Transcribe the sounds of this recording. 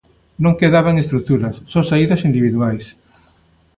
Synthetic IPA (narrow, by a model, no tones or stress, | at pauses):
nõŋkeðaβ̞aŋest̪ɾuk̚t̪uɾɐsːõsaiðɐsind̪iβiðuajs